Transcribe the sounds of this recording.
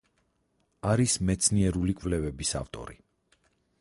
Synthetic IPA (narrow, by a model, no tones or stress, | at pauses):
aɾismɛt̪sʰniɛɾulikʼvlɛvɛbisa̰ft̪ʼɔ̰ɾḭ